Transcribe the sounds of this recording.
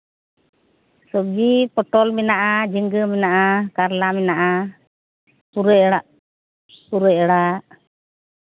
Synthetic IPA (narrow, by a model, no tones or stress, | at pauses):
sɔɡipɔʈɔlmɛnaʔad͡ʒiŋɡəmɛnaʔakaɾlamɛnaʔa | puɾa | puɾɔɽaʔ